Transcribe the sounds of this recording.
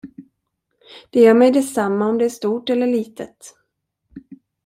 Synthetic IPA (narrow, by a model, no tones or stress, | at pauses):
d̪̥ɛjœːɾmɛjd̪ɛsamːaɔmd̪ɛæːʂt̪uːʈɛlːəɭiːt̪ʰət̪